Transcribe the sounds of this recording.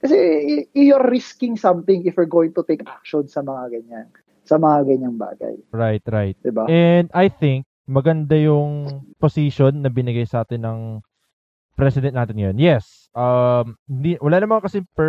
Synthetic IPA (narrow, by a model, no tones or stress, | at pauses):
kɐsɛjoɾːɪskɪ̃ŋsɐmt̪ɪŋɪfwɪɹɡoːwɪ̃ŋt̪ʊt̪ejkʔa̰k̚ʃɔnsɐmɐŋaɡɐɲaŋ | sɐmɐŋaɡɐɲaŋba̰ːɡɐ̰jɹajt̪̚ɾajt̪̚d̪ɪbaʔɛnd̪ʔɐjθɪŋk̚mɐɡɐnd̪ajʊŋposiʃonːɐbɪnɪɡajsɐʔaːt̪ɪnːɐŋ | pɾɛsɪd̪ɛ̃nnaːt̪ɪnɐjonjɛs | ʔɐmhɪnd̪iwɐlaːnɐmɐŋkɐsɪpɛ